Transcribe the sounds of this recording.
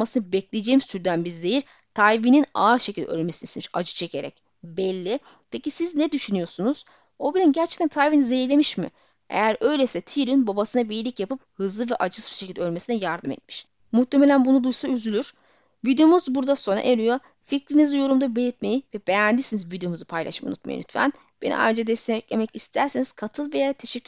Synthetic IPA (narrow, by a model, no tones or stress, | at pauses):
masɯnɯbɛclʲejed͡ʒeːmist̪ʰyɾd̪ænbiɾze̞jiɾ | t̪ʰajvinina̰ːɾʃecʰʲilʲd̪ɛ̰ø̰lʲmesinismiʃa̰d͡ʒɯ̥t͡ʃʰecʰe̞ɾɛ̰c | bɛlʲːi | pʰecisiznɛd̪yʃynyjo̞sunuz̥ | o̞bilʲinɟæɾt͡ʃʰɛ̥c̚t̪ʰænt̪ʰajvinizejiɾlʲemiʃmḭ | ḛjæɾø̞jlʲesɛt̪ʰiɾinbabasɯnabijilʲicjapɯp̚hɯzlˠɯvɛʔad͡ʒɯsbi̥ʃecʰʲilʲd̪ɛølʲme̞sinɛjaɾd̪ɯmɛ̰t̪̚miʃ | mut̪ʰːe̞me̞lʲænbunud̪ujsayzylʲyɾ̥ | vid̪ejomuzbuɾd̪asonɾa̰ʔeɾʲyjo | ficɾinizijo̞ɾumd̪abelʲit̪mejivɛb̥ejænd̪isinizvid̪eomuzɯpʰajlˠa̰ʃma̰ṵnut̪̚ma̰jḭny̰t̪ʰfæ̰n | b̥enḭʔa̰jɾad͡ʒad̪ɛst̪eɛclʲemɛcist̪ʰæɾseniz̥kʰat̪ʰɯlˠvejat̪ʰeʃɛc